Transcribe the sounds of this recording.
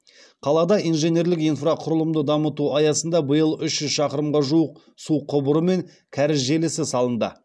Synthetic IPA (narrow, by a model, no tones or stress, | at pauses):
qʰɑlˠɑd̪ɑʔijnʒe̞ne̞ɾlɪkijnfraqʰʊɾəlˠəmd̪əd̪ɑmət̪uɑjɑsənd̪ɑbəjəlˠʏʃʒʏzʃɑqəɾəmʁɑʒuəq̚ | suqʰːʊbʊɾəme̞ŋ | kʲʰæɾɪzʒe̞lɪsɪsɑlˠənd̪ə̰